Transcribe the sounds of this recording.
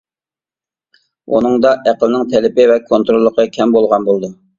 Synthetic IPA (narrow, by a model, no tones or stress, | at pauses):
ṵnɨŋd̪ɑʔæqəlˠɪnɪŋt̪ʰɛlɪpɪvɛkʰont̪ɾolˠːəqʰəkʲʰɛmbolˠʁɑnbolˠd̪u